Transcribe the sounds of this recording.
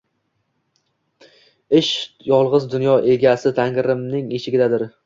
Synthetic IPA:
ɪʃ | jɒlˠʁɨzd̪ʊnjɒʔe̞ɡʲasɪt̪ʰaŋqɾɪmnɪŋet͡ʃʰɪɡʲɪd̪ad̪ɪɾ

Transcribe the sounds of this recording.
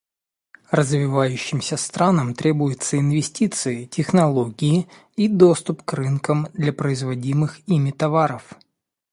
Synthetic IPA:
rəzvʲɪvajʉɕːɪmsʲəst̪ɾanəmt̪ɾʲe̞bʊjɪt̪səɪnvʲɪsʲtʲit̪sɨɪtʲɪxnɐlˠo̞ɡʲɪɪ | id̪ost̪ʊpkrɨnkəmd̪lʲɐpɾəɪzvɐdʲimɨximʲɪt̪ɐvaɾəf

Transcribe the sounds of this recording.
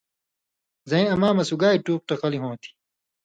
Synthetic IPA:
zɐẽːɐmaːmɐsuɡaːiʈuːq̚ʈɐqɐliɦõːt̪ʰi̥

